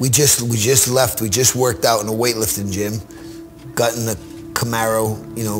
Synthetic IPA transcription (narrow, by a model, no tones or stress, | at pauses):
wid͡ʒʌstwid͡ʒʌstˡlɛft̚wid͡ʒʌst̚wɜ˞k̚taʊɾ̃n̩əweɪtˡlɪftɪ̃ŋd͡ʒɪ̃m | ɡ̥ɑɾ̃n̩ðɨ | kʰəmɛɹoʊjɨnoʊ